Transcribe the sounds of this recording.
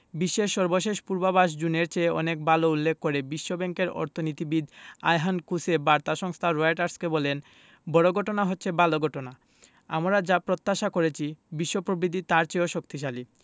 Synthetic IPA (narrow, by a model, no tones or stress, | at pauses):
biʃːeʃːɔɾboʃeʃpuɾbabaʃ̬d͡ʑuneɾt͡ɕeɔ̰nek̚baloulːekːoɾebiʃːobɛŋkeɾɔ̰ɾt̪ʰonit̪ibid̪a̰jɦankusebaɾt̪aʃɔŋst̪ʰaɾoeʈaɾskebɔlen | bɔɽoɡʱɔʈonaɦotːɕʰebaloɡʱɔʈona | a̰mɾad͡ʑapɾot̪ːaʃakoɾet͡ɕʰibiʃːopɾobɾid̪ʱit̪aɾt͡ɕeoʃok̚t̪iʃali